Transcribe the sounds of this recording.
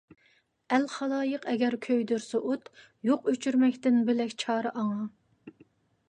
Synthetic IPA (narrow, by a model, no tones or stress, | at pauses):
ælχɑlˠɑːjəqɛɡʲɛɾkʲʰøjd̪yɾsɛʔot̪ | joqøt͡ʃʰyɾmɛkʲt̪ɪnbɪlɛkʲt͡ʃʰɑːɾɨʔɑŋɑ